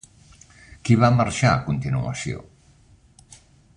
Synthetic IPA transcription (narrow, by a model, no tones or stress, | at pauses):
kiβamaɾʃakunt̪inua̰sio̰